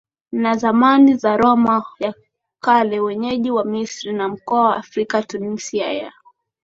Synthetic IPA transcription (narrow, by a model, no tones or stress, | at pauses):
nazamanizaɾɔmaja | kalɛwɛɲɛʄiwamisɾinam̩kɔawaːfɾikatunisiaja̰